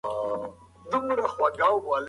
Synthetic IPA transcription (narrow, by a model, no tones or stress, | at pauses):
d̪umɾaxwaɡawwal